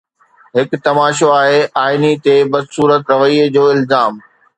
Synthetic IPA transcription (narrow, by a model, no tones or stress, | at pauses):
ɦɪkt̪ɐmaːʃoaːɦeʔaːɪnit̪ebɐd̪suːɾət̪ɾɐʋəid͡ʑoːɪlzaːm